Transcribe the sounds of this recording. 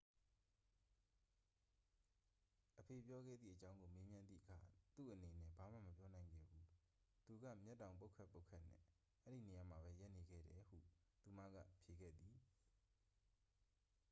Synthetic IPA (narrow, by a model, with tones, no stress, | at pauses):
ʔəpʰe˨pjɔ˦ɡɛ̰˦˨d̪ðḭ˦˨ʔət͡ɕã˦ʊ̃ŋɡo˨me˦mjã˦nd̪ðḭ˦˨ʔəkʰa̰˨t̪ṵ˦˨ʔəne˨nɛ̰˦˨ba˨m̥ä̰˦˨məpjɔ˦nã˨ɪ̃ŋɡɛ̰˦˨bu˦ | t̪u˨ɡa̰˦˨mjɛ˦tːã˨ʊ̃mp̬o˦ʊkʰɛ˦˨pːo˦ʊkʰɛ˦ʔn̥ɛ̰̃˦˨ | ʔɛ˦ɾi˦˨ne˨ja˨m̥a˨βɛ˦ja˦ʔne˨ɡɛ̰˦˨ɾɛ˨hṵ˦˨t̪u˨mä̰˦˨ɡä̰˦˨pʰje˨ɡɛ̰˦˨d̪i˨